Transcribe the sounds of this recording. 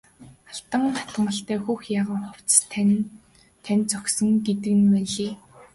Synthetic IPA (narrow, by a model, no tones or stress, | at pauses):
aɬt̪ə̆ŋχḁt̪əmə̆ɬt̪æːxuːxjaːʁə̆mχʊw̥t͡s | t̪ʰænʲt͡sœksɞ̆ŋɡet̪ɘ̆ɣnwæːɮiː